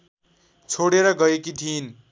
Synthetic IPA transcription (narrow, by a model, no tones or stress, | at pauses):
t͡sʰoɽeɾʌɡʌjekit̪ʰin